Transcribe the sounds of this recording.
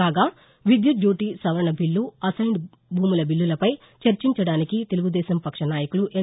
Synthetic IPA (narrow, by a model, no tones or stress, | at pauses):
aːɡaː | ʋid̪jud̪juːʈisɐʋɐɾɐɳɐbʱilːuɐsɐjɳɖ | bʱuːmulɐbilːulɐpɐj | t͡ʃɐɾt͡ʃiɲt͡ʃɐɽaːnikit̪e̞luɡud̪ɛːsɐmpɐkʂɐnaːjɐkuluʔɛ